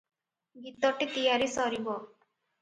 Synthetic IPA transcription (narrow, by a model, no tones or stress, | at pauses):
ɡit̪ɔʈit̪ijaɾisɔɾibɔ